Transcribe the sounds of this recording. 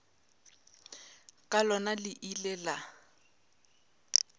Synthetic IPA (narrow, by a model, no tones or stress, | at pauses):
kʼalɔnalɪʔilɛla